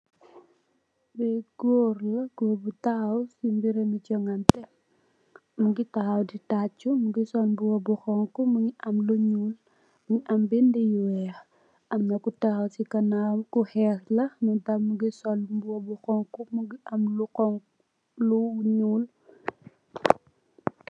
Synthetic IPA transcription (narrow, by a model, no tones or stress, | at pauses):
bɛɡ̥oːrlɐɡ̥oːbutaawsimbiɾɛmit͡ʃɔŋɐntɛ | muɡitahɐwditat͡ʃːumuɡisɔlbuwɔbuxɔŋkumuɲiʔɐmluɲuːl | muŋiʔɐmbindɛjuwɛx | ʔɐmnɐkutahɐwsikɐnamkuhɛslɐmudɐmːuɡisɔlbuwɔbuxɔŋkumuɡiʔɐmlukɔŋ | luɲuːl